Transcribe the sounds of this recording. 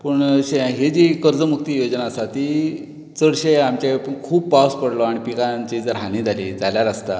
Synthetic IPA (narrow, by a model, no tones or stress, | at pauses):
pəɳɕeɦed͡ʑiːkəɾd͡zəmuk̚t̪ijod͡ʑnaəsat̪i | t͡səɽɕeamt͡ɕekʰuːbpawspəɽlɔaɽipikat͡ɕid͡zɾɦañĩd͡zʱalḭd͡zaljaɾast̪a